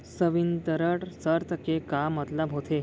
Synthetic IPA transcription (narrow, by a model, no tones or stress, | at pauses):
səʋint̪əɾəɽsəɾt̪ʰəkekamət̪labʱot̪ʰe